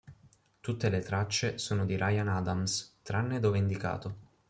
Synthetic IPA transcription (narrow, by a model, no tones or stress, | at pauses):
t̪ut̪ːelet̪ɾat͡ʃːesoːnod̪iɾʔajanad̪amst̪ɾanːed̪oːveind̪ika̰ːt̪o